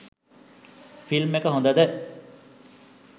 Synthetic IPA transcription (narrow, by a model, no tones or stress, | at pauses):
filmekəɦõnd̪əd̪ə